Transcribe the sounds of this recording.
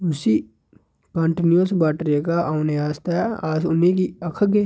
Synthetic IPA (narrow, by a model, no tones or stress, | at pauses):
ʊsi | kãːɳʈinuəsbaːʈɾekaʔaʊneaːst̪aaːsʊnekiɐkʰəke